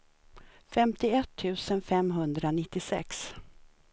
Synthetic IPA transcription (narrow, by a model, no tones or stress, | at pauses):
fɛmt̪ɪɛt̪ʰːʉ̟ːsənfɛmɦɵnd̪ɾanɪt̪ːɪsɛ̰ks